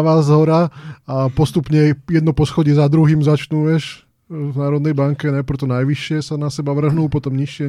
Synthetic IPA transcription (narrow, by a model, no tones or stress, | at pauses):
ʋaːzɦɔɾaapɔst̪upɲɛjɛd̪nɔpɔsxɔɟɪɛzad̪ɾuɦiːmzat͡ʃnuʋɛʃ | vnaːɾɔd̪nɛjbaŋkɛnajpɾ̩t̪ɔnajʋiʃɪɛsanasɛbaʋr̩ɦnuːpɔt̪ɔmɲiʃɪɛ